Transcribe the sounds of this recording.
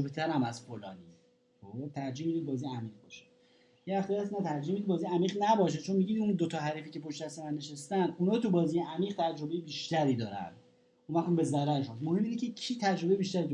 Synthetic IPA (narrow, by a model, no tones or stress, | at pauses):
obet̪ʰæɾæmæzfolɒːniː | ot̪ʰæɾd͡ʒiːhmid̪iːd̪bɒːzijeæmiːʁ̚bɒːʃe̥ | jeæft̪ɛjæsnæt̪ʰæɾd͡ʒihmid̪ibɒːziːjæmiːɣnæbɒːʃ̬et͡ʃʰo̞nmiɟiːd̪und̪ot̪ʰɒːɦæɾiːfiːcepʰoʃt̪æst̪emænːe̞ʃest̪ænd̪unɒːt̪ubɒːziːjeæmiːʁ̚t̪ʰæd͡ʒɾo̞be̞jebiːʃt̪æɾiːd̪ɒːɾæ̰nd̪ | unvæxumbe̞zæɾæɾʃod̪mohemːʔiːnecʰecʰiːt̪ʰæd͡ʒɾo̞bejbiːʃt̪æɾiːd̪